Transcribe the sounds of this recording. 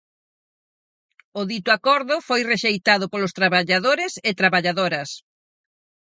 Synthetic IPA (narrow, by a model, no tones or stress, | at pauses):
ʊðit̪ʊakɔɾðʊfojreʃejt̪aðʊpolʊst̪ɾaβaʎaðoɾɪsɪt̪ɾaβaʎaðoɾɐs